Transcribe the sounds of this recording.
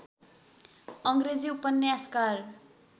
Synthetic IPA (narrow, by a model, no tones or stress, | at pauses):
ʌŋɡred͡ziupʌnːjaskar